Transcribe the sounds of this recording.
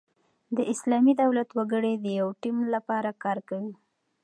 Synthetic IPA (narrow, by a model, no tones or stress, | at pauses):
d̪əʔɪslɑmid̪awlat̪waɡəɽed̪əjawʈimlapɑɾakɑɾkawi